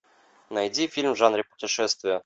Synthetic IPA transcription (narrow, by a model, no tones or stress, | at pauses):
najdʲifʲilʲmʐanɾʲɪpʊ̥tʲɪʂɛst̪vʲɪjə